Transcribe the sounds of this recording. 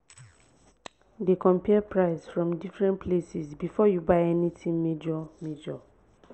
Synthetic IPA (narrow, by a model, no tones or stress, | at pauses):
dekʰɔ̃mpʰɛpʰɹaɪsfɹɔ̃mdifɹɛ̃npʰlesisbifɔjubaɪɛnitʰĩmːed͡ʒɔmed͡ʒɔ